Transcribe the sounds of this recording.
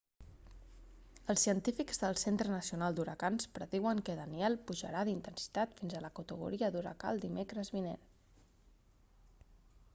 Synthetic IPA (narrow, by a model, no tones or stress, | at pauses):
əlˠsiənt̪ifikzðəlˠsent̪ɾənəsiunalˠd̪uɾəkanspɾəðiwəŋkəðəniɛlˠpuʒə̰ɾaðint̪ənsi̥t̪at̪finzələkut̪əɣ̞ṵɾiəd̪uɾə̰ka̰lˠd̪imekɾəzβinḛn